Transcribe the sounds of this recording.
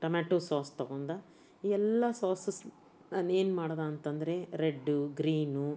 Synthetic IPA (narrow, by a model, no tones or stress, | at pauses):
ʈɐmaːʈoːsaːst̪ɐɡond̪ɐ | iːɛlːɐsaːsɐs | naːne̞ːnmaːɽd̪aːnt̪ɐnd̪ɐɾe̞ɾeɖːuɡɾiːnu